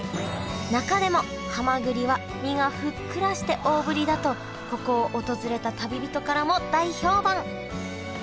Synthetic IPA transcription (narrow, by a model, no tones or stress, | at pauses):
nakad̪e̞mo̞ | hamaɡɯ̟ɾʲiβa | mʲiŋaɸɯ̟kːɯ̟ɾaɕi̥t̪e̞ʔo̞ːbɯ̟ɾʲid̪at̪o̞ | ko̞ko̞ːʔot̪o̞zɨɾe̞t̪at̪abʲibʲit̪o̞kaɾamo̞d̪aiço̞ːbãŋ